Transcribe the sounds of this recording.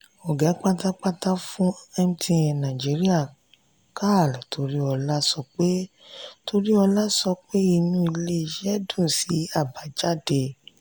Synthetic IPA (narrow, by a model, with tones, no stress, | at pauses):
o˨ɡɛ˨˦k͡pa˦ta˦k͡pa˦ta˦fũ˦ɛ˧m̩˦tʰĩ˧˨nã˨d͡ʒi˨˦ɾi˦a˦˨ | kʰa˦˨la˨to˨˦ɾi˦ɔ˧la˦sɔ˧k͡pe˦ | to˧ɾi˦ɔ˧la˦sɔ˧k͡pe˦i˧nũ˦i˧le˦i˧ʃɛ˦dũ˦˨si˨˦a˦˨ba˨˦d͡ʒa˦˨de˧